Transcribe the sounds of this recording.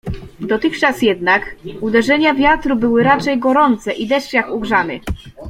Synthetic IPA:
d̪ɔt̪ɘxt͡ʂasjɛd̪nakud̪ɛʐɛɲavʲjat̪ɾubɘwɘɾat͡ʂɛjɡɔɾɔnt̪sɛʔid̪ɛʂt͡ɕjakuɡʐamɘ̰

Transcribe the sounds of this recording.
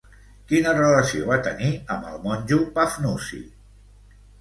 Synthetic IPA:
kinərələsioβat̪əniəmbəlˠmɔnʲʒupafnusḭ

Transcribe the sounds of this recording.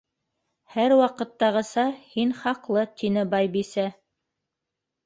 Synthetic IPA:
hæɾwɑqɤ̆t̪ːɑʁɤ̆sɑhinχɑqlˠɤt̪ʰinɘbɑjbisæ

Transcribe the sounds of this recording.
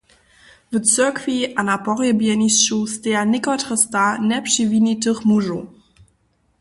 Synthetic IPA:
vət͡søɐkʰviʔanapɔʁjəbjɛnisʃusteaɐnɪkɔtʁəstanɛpʃivinitəχmuʒo

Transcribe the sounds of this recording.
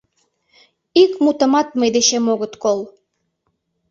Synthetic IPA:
ikmut̪ə̆mɑt̪̚məjd̪eʃemoɣət̪kol

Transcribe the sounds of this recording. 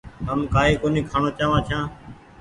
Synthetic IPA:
ɦəmkaːɦiːkoːniːkʰaːɳoːt͡ʃaːʋãːt͡ʃʰjãː

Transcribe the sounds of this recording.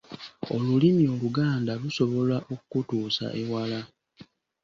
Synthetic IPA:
o̞lulimio̞luɡaːndaluso̞βo̞laʔokukutuːsa̰ʔewala

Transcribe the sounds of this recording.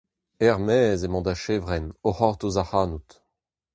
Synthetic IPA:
ɛʁmɛːzemɑ̃d̪aʃeːvʁɛnohɔʁt̪ozahaːnut̪

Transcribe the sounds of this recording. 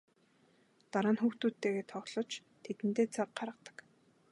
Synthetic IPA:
t̪aɾaːnxuːxt̪uːt̪ːeːɣeːt̪ʰɔɮɞ̆t͡ɕ | t̪ʰet̪ɘ̆nt̪eːt͡sʰaq̚ɢaɾə̆t̪ə̥̆k

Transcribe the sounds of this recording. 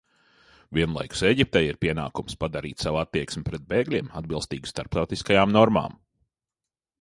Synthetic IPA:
vʲiɛnlˠa̰jku̥seːɟʲip̚t̪ɛjiɾpʲiɛna̰ːkumspad̪aɾḭːt̪saʋat̪ːiɛksmʲɪpɾɛd̪̚beːɡlʲiɛmad̪̚bilˠst̪iːɡʲist̪aɾp̚t̪awt̪iskajaːmnɔɾma̰ːm

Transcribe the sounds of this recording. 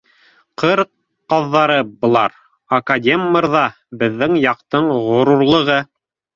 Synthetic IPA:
qɤɾqː | ɑðːɑɾɤbŏlˠɑ̰ɾ | akadʲemːɤɾðɑ | bɘ̆ðːɘŋjɑqt̪ɤɴʁŏɾuɾlˠɤ̆ʁɤ

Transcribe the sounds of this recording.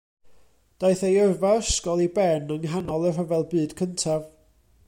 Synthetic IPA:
d̥aɨθejərvaəskɔlˠibɛnənɦanɔlˠər̥əvɛlˠbɨːd̥kʰəntʰav

